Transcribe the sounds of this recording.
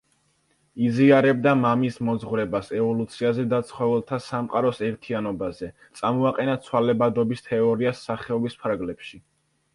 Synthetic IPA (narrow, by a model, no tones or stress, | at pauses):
iziaɾɛb̚d̪amamismɔd̪zʁvɾɛbasɛvɔlut̪sʰiazɛd̪at̪sʰχɔvɛlˠt̪ʰasamqʼaɾɔsɛɾt̪ʰianɔbazɛt̪sʼamɔaqʼɛnat̪sʰwalɛbad̪ɔbist̪ʰɛɔɾiasːaχɛɔbispʰaɾɡlɛpʃi